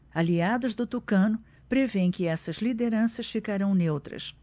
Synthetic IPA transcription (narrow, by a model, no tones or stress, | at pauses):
aliad̪ʊzd̪ʊt̪ukɐ̃nʊ | pɾevẽj̃kɪɛsɐzlid̪eɾɐ̃sɐsfikaɾɐ̃w̃newt̪ɾɐ̰s